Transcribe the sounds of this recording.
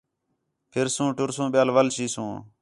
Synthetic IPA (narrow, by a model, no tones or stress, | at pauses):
pʰɪɾsũːʈʊɾsũːɓjaːlʋəlʃiːsũː